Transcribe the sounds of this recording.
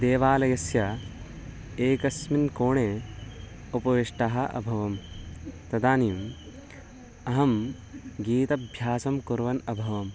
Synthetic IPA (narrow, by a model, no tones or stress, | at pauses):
d̪eːʋaːlɐjɐsjɐ | eːkɐsminkoːɳe | upɐʋiʂʈɐɦɐʔɐ̰bʱɐʋɐmt̪ɐd̪aːniːjum | ɐɦɐm | ɡiːt̪ɐbʱjaːsɐmkuɾʋɐnɐbʱɐʋɐm